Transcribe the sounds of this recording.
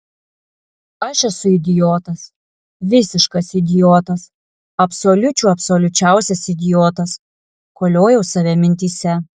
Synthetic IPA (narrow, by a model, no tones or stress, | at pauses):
ɐʃɛsʊɪd̪ʲɪjoːt̪ɐs | ʋʲɪsʲɪʃkɐsɪd̪ʲɪjoːt̪ɐs | ɐpsolʲʊt͡ʃʲuːɐpsoːlʲʊt͡ʃʲæˑʊsʲɛsɪd̪ʲɪjoːt̪ɐs | koːlʲoːjɛʊsɐʋʲɛmʲɪnʲt̪ʲiːsʲɛ